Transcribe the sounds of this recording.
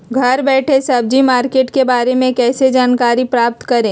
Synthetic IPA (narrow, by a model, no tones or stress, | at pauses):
ɡʱɐɾbɛːʈʰesɐb̚d͡ʒimaːɾkeːʈkebaːɾemẽkɛːsed͡ʒaːnkaːɾipɾaːp̚t̪kɐɾẽː